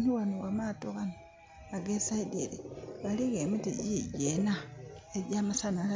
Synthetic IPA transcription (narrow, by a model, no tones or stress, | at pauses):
niwanuwamatoɣano | aɡesaideɾiɣaliɣemitḭɟiɟenaeɟamasanala